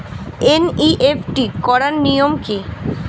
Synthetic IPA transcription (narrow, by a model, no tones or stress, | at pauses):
eniʔefʈikɔɾaɾnijomki